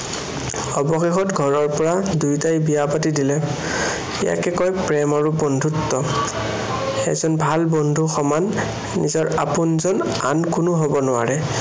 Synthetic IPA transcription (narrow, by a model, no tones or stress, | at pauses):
ɔbɔxexɔtɡʱɔɹɔɹpɔɹadujtajbiapatidilɛ | ḭja̰kɛkɔjpɹɛmaɹubɔndʱutːɔ | ɛ̰zɔnbʱalbɔndʱuxɔmanː | ḭzɔɹapʊnzɔn | a̰nkʊnʊɦobɔnʊwa̰ɹɛ